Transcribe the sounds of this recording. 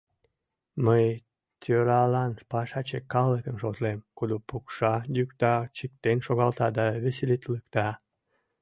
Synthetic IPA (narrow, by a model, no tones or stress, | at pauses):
məj | t̪ʲʰøɾɑlɑnpɑʃɑt͡ɕekɑləkənʃot̪lemkod̪opukʃɑjykt̪ɑt͡ɕik̚t̪enʃoɣɑlt̪ɑd̪ɑβeselet̪ləkt̪ɑ